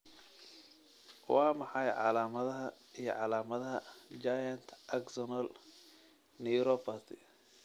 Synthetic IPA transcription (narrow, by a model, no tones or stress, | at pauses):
wɑːmɑħɑjʕɑ̰laːmɐðɐɦɐ | ijɞʕɑlaːmɐðɐɦɐd͡ʒajɐnt̪ʰʔɐksɔnɔl | nijɾɔpɐt̪ɪ